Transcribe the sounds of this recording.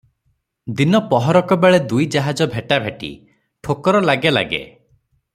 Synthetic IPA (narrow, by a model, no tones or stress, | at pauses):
d̪inɔpɔɦɔɾɔkɔbeɭed̪ujd͡ʒaɦad͡ʒɔbʱeʈabʱeʈḭ | ʈʰokɔɾɔlaɡela̰ɡḛ